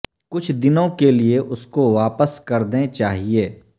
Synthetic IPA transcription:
kʊt͡ʃʰd̪ɪnõkelieʔʊskoʋaːpəskɐɾd̪ẽt͡ʃaːɦieː

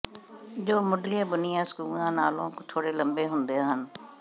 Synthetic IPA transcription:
d͡ʒoːmʊɖlɪjãːbʊnɪjãːskuːlãːnaːlõːkt̪ʰoːɽeːləmbeːɦʊnd̪eɦən

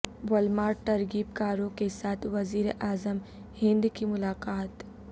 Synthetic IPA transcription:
ʋɐlmaːɾʈɐɾɡiːp̚kaːɾõkesaːt̪ʰʋɐziːɾeʔaːzəm | hɪ̃nd̪kimʊlaːkaːt̪

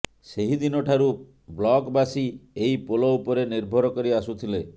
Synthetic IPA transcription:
seɦid̪inɔʈʰaɾu | blɔkbasieipolɔupɔɾeniɾbʱɔɾɔkɔɾiasut̪ʰile

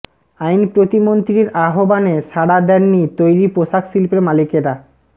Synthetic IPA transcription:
ajnpɾot̪imont̪ɾiɾaɦobaneʃaɽad̪ɛnːit̪ojɾipoʃaksilpeɾmalikeɾa

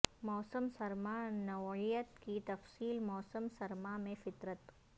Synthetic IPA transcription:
mɔːsəmsɐɾmanɐʋɪjət̪kit̪ɐfsiːlmɔːsəmsɐɾmamẽfɪt̪ɾət̪

